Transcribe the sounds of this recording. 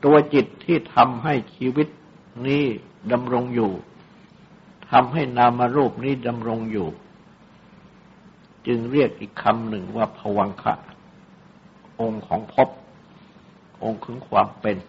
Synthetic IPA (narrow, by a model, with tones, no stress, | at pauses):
t̪u˧ɐt͡ɕi˨˩t̪ʰːiː˥˩t̪ʰa˧mɦa˥˩jt͡ɕʰiː˧wi˦˥t̪̚ | niː˦˥ | da˧mɾo˧ŋjuː˨˩ | t̪ʰa˧mɦa˥˩jnaː˧mːa˧ɾuː˥˩p̚niː˦˥da˧mɾo˧ŋjuː˨˩ | t͡ɕɯ˧ŋɾi˥˩ək̚ʔiː˨˩kʰːa˧mnɯ˨˩ŋwaː˥˩pʰa˧wa˧ŋkʰa̰˦˥ʔ | ʔo˧ŋkʰɔː˩˦ŋpʰo˦˥p̚ | ʔo˧ŋkʰɯ˩˦ŋkʰwaː˧mpe˧n